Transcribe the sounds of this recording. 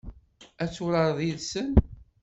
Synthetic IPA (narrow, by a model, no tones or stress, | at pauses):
æt͡sːuɾəɾˤðiðsən